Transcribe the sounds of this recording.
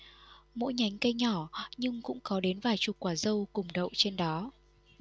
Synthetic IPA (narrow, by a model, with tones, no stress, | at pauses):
mo̰˧˥jɲa˨˦jŋ̟kə˧jɲɔ˧˩ɲɨ˧ŋkʊ̰˧˥ŋ͡mkɔ˨˦ɗe˨˦nvaː˨˩jt͡ɕu˨˩kwaː˧˩zə˧wkʊ˨˩ŋ͡mɗə̰˧˨wʔt͡ɕe˧nɗɔ˨˦